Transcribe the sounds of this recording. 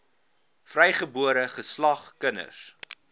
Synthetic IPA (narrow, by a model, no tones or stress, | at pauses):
frɛjχəbuəɾəχəslɐχkənə̰s